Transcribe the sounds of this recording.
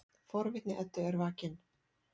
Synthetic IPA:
fɔɾvɪt̪nɪʔɛt̪ːʏɛɾvaːcɪn

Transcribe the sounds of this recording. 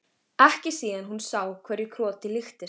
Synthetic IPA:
ɛhcɪ̥siːðanɦunsaːwkʰvɛɾjikʰɾɔːt̪ɪlɪxt̪ɪ

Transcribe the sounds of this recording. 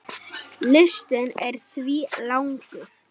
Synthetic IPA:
lɪst̪ɪnɛɾ̥θviːlawŋkʏ

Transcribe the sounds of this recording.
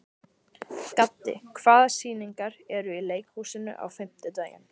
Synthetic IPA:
kat̪ːɪ̰kʰvaːðsiːniŋkaɾɛɾʏileːjkhuːsɪnʏ̰ʔa̰wfɪm̥t̪ɪt̪aːɥjɪ̰n

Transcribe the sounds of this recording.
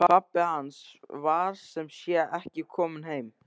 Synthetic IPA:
papːɪhansvaɾ̥sɛmsjɛʔɛhcɪkʰɔːmʏnɦeːjm

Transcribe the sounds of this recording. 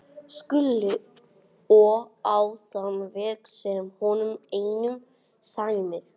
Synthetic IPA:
skʏlːʏ | ɔawθanvɛːksɛmhɔnʏmeːjnʏm | sajmɪɾ̥

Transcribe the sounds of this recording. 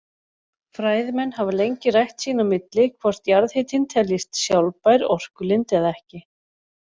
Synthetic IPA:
fɾaːjðmɛnːhavalejɲcɪrajht̪siːnamɪt̪lɪkʰvɔr̥t̪jaɾðhɪːt̪ʰɪnt̪ʰɛljɪst̪sjawlpajɾɔr̥kʏlɪnt̪ɛðɛhcɪ

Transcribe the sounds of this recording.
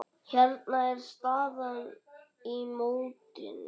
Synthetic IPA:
çɛɾt̪̚naɛɾ̥st̪aːðan | imoːwt̪ɪ̰n

